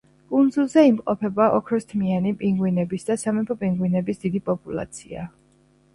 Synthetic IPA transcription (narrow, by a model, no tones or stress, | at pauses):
kʼund̪zulˠzɛimqʼɔpʰɛbaʔɔkʰɾɔst̪ʰmianipʼiŋɡwinɛbisd̪asamɛpʰɔpʼiŋɡwinɛbisd̪id̪ipʼɔpʼulˠa̰t̪sʰia